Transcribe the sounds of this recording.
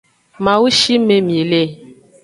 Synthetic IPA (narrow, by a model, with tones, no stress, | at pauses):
mã˨wu˦ʃi˦me˦mĩ˨e˨le˦